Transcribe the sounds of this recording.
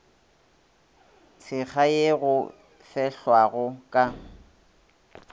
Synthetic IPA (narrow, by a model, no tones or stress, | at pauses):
t͡sʰɪk͡xʰaeɣʊ | fɛɬwaɣʊkʼa